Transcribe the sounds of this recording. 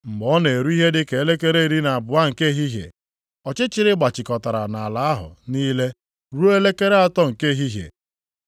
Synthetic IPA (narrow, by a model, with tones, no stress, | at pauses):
m̩˨ɡ͡bɔ˦ne˨e˨ɾu˦i˦ɦe˦dɪ˦ke˨e˦le˦ke˦ɾe˦i˨ɾi˦na˨a˨bʊ˨a˦ŋ̩˨ke˦ɦi˦ɦjḛ˨ | ɔ˨t͡ʃɪ˦t͡ʃɪ˨ɾɪ˦ɡ͡ba˨t͡ʃɪ˨kɔ˨ta˨ɾa̰˨na˨a˨la˨a˦ɦʊ̰˨niː˦le˦ | ɾu˦o˦e˦le˦ke˦ɾe˦a˦tɔ˦ŋ̩˨ke˦˨ɦi˦ɦjḛ˨